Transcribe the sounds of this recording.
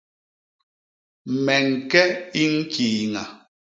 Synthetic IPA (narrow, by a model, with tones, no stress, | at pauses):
mɛ˨ŋ˨kɛ˦i˦ŋ̩˦kʰiː˨ŋa˨